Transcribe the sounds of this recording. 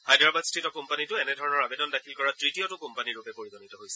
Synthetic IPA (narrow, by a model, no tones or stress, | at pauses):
hajdɹabadstetɔkɔmpanitʊɛnɛdʱɔɹɔnɔɹabedɔndakʰilkɔɹatɹitiɔtʊkompaniɹupɛpoɹizɔnitɔɦojsɛ